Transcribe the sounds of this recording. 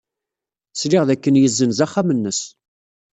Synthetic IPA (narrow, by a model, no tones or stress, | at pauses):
sliʁðækːənjəzːənzæχːamənːəs